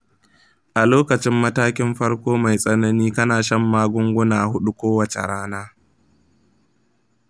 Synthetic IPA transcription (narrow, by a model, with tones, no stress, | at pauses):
ʔa˨loː˦kɐ˨t͡ʃɪ˦mːɐ˦taː˦kʲɪ˦mɸɐ˦ɽkʷoː˦ma˨jsʼɐ˦nɐ˦niː˦kɐ˦naː˨ʃɐ˦mːaː˦ɡʷʊ˦ŋɡʷʊ˦naː˨hʊ˦ɗu˦kʷoː˦wɐ˨t͡ʃḛ˨ɽaː˦naː˦